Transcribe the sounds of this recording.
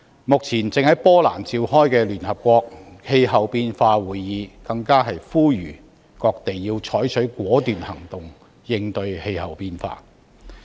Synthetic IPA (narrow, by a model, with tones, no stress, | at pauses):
mʊ˨k̚t͡sʰiː˨˩nt͡sɪ˨ŋhɐ˨˥jpɔː˥laː˨˩nt͡siː˧whɔː˥jkɛː˧lyː˨˩nhɐ˨p̚kʷɔː˧k̚he˧jɦɐ˨wpiː˧nfaː˧wuː˨˩jjiː˨˧kɐ˧ŋkaː˥ɦɐ˨jfuː˥jyː˨˩ | kɔː˧k̚t̪e˨jːiː˧wt͡sʰɔː˨˥jt͡ʃʰɵ˨˥ɥkwɔː˨˥t̪yː˨nhɐ˨˩ŋt̪ʊ˨ŋ | jɪ˧ŋt̪ɵ˧ɥhe˧jhɐ˨˩wpiː˧nfa̰ː˧